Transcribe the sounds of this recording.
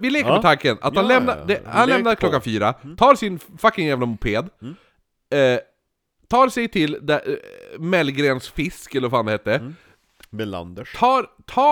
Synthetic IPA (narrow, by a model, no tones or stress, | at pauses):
vɪleːkəmɛt̪ʰaŋkəna̰t̪hanlɛmnad̪ɛhanlɛnaɾkʰlɔkːanfyːɾat̪ʰɑːɾsɪnfakːɪŋjæːvlamʊpʰeːd̪ | t̪ʰɑːɾsɛjt̪ʰɪld̪ɛmɛlːɡɾeːnsfɪskɛlːəɾfaːnd̪ɛheːt̪ːə | nt̪ʰɑːɾt̪ʰɑː